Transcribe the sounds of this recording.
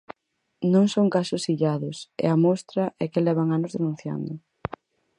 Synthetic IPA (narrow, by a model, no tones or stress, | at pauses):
nõŋsoŋkasʊsiʎaðʊsɛ̰ɐmost̪ɾɐʔɛkɪlɛβ̞aŋanʊzðenũn̟θja̰nd̪ʊ